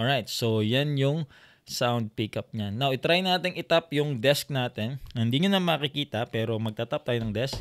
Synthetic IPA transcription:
ʔoajt̪̚sojanjʊŋ | sawnd̪̚pikɐp̚ɲanːawʔɪt̪ɾajnaːt̪ɪŋʔɪt̪apjʊŋd̪ɛsk̚naːt̪ɛnhɪnd̪iɲʊnɐmɐkɪkiːt̪ɐpɛːɾo̞mɐɡ̚t̪at̪ap̚t̪aːjoɐŋd̪ɛsk

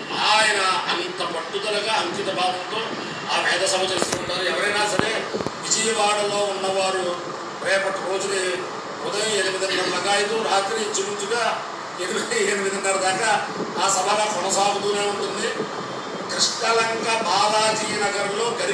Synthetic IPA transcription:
maːjɐnɐɐnnt̪ɐpɐʈːud̪ɐlɐɡaːɐŋkit̪ɐbʱaːd̪ɐnt̪o̞ː | aːpɛːd̪ɐsɐbʱɐt͡ʃeːst̪uːuɳʈaːɾuɛʋɐɾɐjnaːɐsɐɾe̞ːʋid͡ʒɐjɐʋaːɽɐlo̞ːunːɐʋaːɾu | ɾɛːpɐʈiɾo̞ːd͡ʒuni | ud̪ɐjɐeːlimid̪ɐninɐmːɐɡaːjit̪uɾaːt̪ɾid͡ʒiɾut͡ʃuɡaː | ed̪kiemiʋid̪ʱɐŋɖaːɾud̪aːkaː | aːsɐbʱaɡaːkɔnɐsaːɡut̪uːne̞ːuɳʈund̪i | kɾiʂɳɐlɐŋkabaːd̪aːd͡ʒ̪ijɐnɐɡɐɾɐmlo̞ːɡɐɾi

